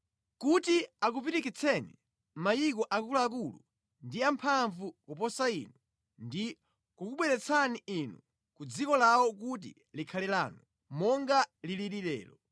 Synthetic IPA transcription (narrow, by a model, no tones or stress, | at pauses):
kutiak̬upiɾikit͡sʰɛnḭ | majik̬ɔʔakulaak̬ulṵ | ndiampʰaɱvukupɔsaḭnu | ndi | kukuɓwɛɾɛt͡sʰaniinu | kud͡zikɔlawɔk̬ut̬ḭ | likʰalɛla̰ːnu | mɔŋɡaliliɾiɾɛ̰ːlɔ